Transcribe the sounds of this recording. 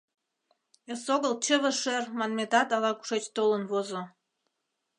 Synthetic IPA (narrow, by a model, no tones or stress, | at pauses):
esoɣəlt͡ɕəβə̆ʃermɑnmet̪ɑt̪ɑlɑku̥ʃet͡ɕt̪olənβozo